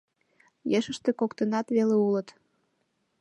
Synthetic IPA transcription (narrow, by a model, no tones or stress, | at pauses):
jeʃəʃt̪ekokt̪ənɑt̪βeleulət̪